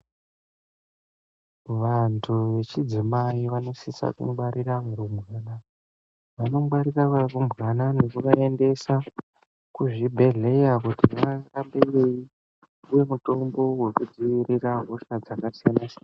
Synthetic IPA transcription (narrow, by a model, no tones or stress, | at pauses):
ʋantʰuʋe̞t͡ʃid͡zimaiʋano̞sisa̰kṵɓaɾiramuɾumɣana | ʋano̞ɓaɾirakarumɣanane̞kukae̞nde̞sa | kuʐibʱe̞ɮe̞jakutimarambejei | uje̞muto̞mbo̞we̞kud͡ziʋiɾiraɦo̞ʃad͡zakasijanasian